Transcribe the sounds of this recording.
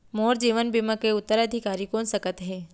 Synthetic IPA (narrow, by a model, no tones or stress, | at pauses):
moːɾd͡ʒiːʋənbimakeʊt̪ːəɾəd̪ʱikaːɾikoːnsəkət̪ɦɛː